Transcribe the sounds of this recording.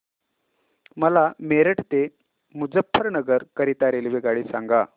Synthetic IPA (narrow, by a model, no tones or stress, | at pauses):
məlameɾəʈt̪e | mud͡zəpʰːəɾnəɡəɾkəɾit̪aɾelʋeɡaɭiːsaŋɡa